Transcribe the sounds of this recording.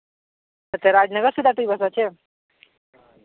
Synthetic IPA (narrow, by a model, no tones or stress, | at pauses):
t̪əɾt̪eɾad͡ʑnəɡəɾsud̪ʱat̪uibʱəsat͡ɕe